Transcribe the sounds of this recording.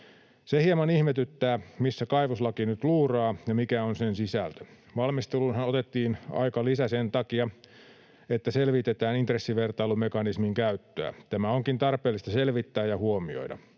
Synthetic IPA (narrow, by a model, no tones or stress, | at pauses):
sehiemɑnihmet̪yt̪ːæːmisːækɑiʋoslɑkinyt̪luːrɑːjɑmikæonsensisæ̰lt̪ø̥ | ʋɑlmist̪elunhɑnot̪et̪ːiːnɑ̰ikɑlisæsent̪ɑkiɑ | et̪ːæselʋit̪et̪æːnint̪resːiʋert̪ɑilumekɑnismiŋkæyt̪ːøæ̰t̪æmæoŋkint̪ɑrpˑeːlːˑist̪ɑselʋit̪ːæːjɑhuomio̞̰idɑ̰